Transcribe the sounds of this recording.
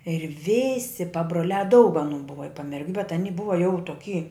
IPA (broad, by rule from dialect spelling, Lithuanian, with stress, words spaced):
ɪr ˈʋʲɪsʲɪ pɐbroːˈlʲæː dɐʊk ɐˈnuː ˈbʊʋɐ ɪ pɐmʲɛrʲˈɡʲʊ bʲɛt ɐˈnʲɪ ˈbʊʋɐ jɛʊ toːˈkʲiː